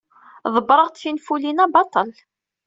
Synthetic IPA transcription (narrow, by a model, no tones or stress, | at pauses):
ðˤəbɾˤəʁt̪θinfulinæbɑt̪ˤːəl